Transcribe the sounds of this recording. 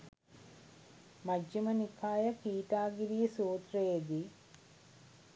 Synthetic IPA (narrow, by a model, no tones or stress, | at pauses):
mɐd͡ʒjɐmɐnikʰaːjɐkiːʈaːɡiɾijɐsuːt̪rɐjɐd̪i